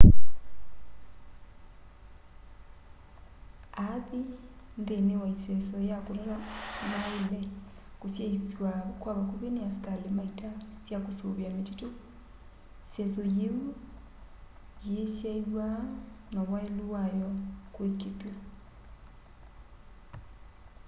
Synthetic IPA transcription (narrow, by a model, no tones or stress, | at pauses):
aβi | ndenewaisesojakuɾaɾamaile | kusjaiswakwaβakuβinejasi̥kalemaitʰasjakusuβjamititu | isesojewu | jesjaiwa | naβwaeluajokwekipo